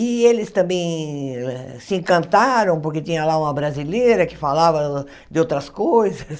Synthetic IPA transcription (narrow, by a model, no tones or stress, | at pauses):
ɪelɪst̪ɐ̃mbẽj̃ɛsɪẽŋkɐ̃nt̪aɾɐ̃w̃poɾket̪ĩɲɐlaũmɐbɾazileɾɐkɪ̥falavɐ | d̪ɪowt̪ɾɐskojzɐs